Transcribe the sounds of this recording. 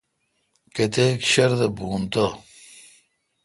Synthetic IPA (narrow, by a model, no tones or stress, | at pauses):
ket̪ekɕɐɾd̪ɐbuːnt̪o